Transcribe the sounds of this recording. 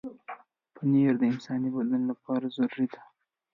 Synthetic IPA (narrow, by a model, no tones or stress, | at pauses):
pʰəneɾd̪əɪnsɑnibad̪ənolapɑɾazaɾuɾid̪a